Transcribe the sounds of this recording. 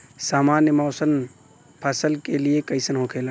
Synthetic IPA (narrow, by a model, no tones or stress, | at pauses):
saːmaːnjəmɔːsən | pʰəsəlkeliekəɪsənɦokʰeːla